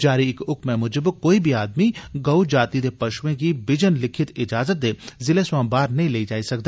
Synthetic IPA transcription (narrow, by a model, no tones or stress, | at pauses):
d͡ʒaːɾiɪkʊkmẽmʊd͡ʒəbkoːibʱiaːd̪miɡɐʊd͡ʒaːt̪id̪epɐʃwẽk̬ibɪd͡ʒənlɪkʰɪt̪ɪd͡ʒaːzət̪̚d̪eːzɪleswãːmbaːɾnɐɦĩleːid͡ʒaːisɐk̚d̪aː